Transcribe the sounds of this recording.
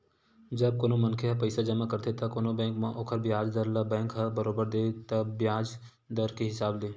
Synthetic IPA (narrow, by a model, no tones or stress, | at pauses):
d͡ʒəb̚koːnomɐnkʰeɦɐpɐɪsad͡ʒəmakɐɾt̪ʰet̪akoːnobɛ̃ːŋkmãʔoːkʰəɾbjaːd͡ʒd̪əɾlabɛ̃ːŋkɦabəɾoːbəɾd̪eːt̪ɐbjaːd͡ʒ | d̪əɾkeɦɪsaːbleː